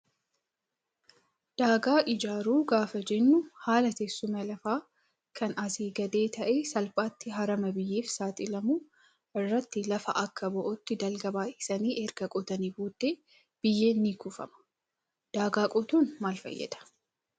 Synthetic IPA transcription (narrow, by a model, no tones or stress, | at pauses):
d̪̥aːɡaːʔɪd͡ʒaːɾuːɡaːfɐd͡ʒɛnːʊhaːlɐt̪eːsːʊmɐlɐfaː | kʰɐnɐsiːɡɐd̪e̞ːt̪ʰɐʔeːsɐlpʼaːt̪ːɪɦɐɾɐmɐbɪjːeːfsaːt̪ʼɪlɐmu | ʔɪrːɐt̪ːɪlɐfɐʔɐkːɐbɔʔɔt̪ːɪd̪ɐlɡɐbaːhɪsɐniːʔɛɾɡɐkʼɔt̪ɐniːbuːd̪ːeː | b̥ɪjːe̞ːnːiːkʊfɐ̰mɐ̥ | d̪̥aːɡaːkʼɔt̪uːnmaːlfɐ̰jːɛ̰d̪ɐ̥